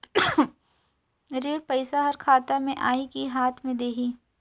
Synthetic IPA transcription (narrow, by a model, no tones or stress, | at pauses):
ɾeːɽpɐɪsaɦɐɾkʰaːt̪amẽʔaːikiɦaːt̪ʰmẽd̪eːɦiː